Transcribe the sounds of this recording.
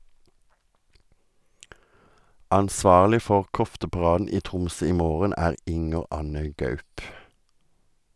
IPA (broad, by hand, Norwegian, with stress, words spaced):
ʔɑnˈsʋɑːʁlɪ ˈfɔʁ ˈkɔftəpɑˌʁɑːdn̩ ˈiː ˈtʁʊmsœ ˈiː ˈmoːʁən ˈæːʁ ˈʔɪŋəʁ ˈʔɑnə ˈɡœʉp